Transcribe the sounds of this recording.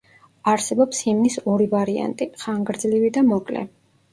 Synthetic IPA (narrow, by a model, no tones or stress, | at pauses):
aɾsɛbɔpsimnisɔɾivaɾia̰nt̪ʼiχaŋɡɾd̪zlivid̪amɔkʼlɛ̰